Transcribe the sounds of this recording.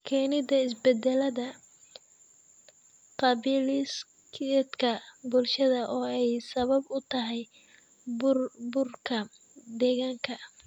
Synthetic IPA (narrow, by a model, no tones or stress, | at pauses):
kʰɛːnɪd̪ɐɪs̬bɛd̪ɛlɐðɐ | qɑβiːlɪs | kʰɛd̪kʰɐbʊlʃɐðɐʔɔːɛjsɐβɐbʊt̪ʰɐɦɛj | bbʊrkʰɐ | d̪ɛːɣaːŋkʰɐ